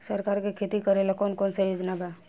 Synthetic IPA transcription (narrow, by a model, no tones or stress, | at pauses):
səɾkaːɾkikʰet̪ikəɾelakɔːnkɔːnsejoːd͡ʒnabʱɛ